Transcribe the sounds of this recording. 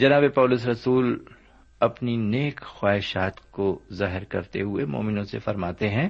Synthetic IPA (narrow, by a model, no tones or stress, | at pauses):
d͡ʒɐnaːbepɔːlʊs̬ɾɐsuːl | ɐpnineːkxwaːɦɪʃaːt̪kozaːɦɪɾkɐ̰ɾt̪ḛɦʊemo̰ːmɪnõsḛfɐɾmaːt̪eɦɛ̃ː